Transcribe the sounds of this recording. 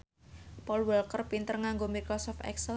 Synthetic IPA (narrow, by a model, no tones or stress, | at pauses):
pɔlwəlkərpint̪ərŋaŋɡomirkɾosɔft̪ɛ̰ksə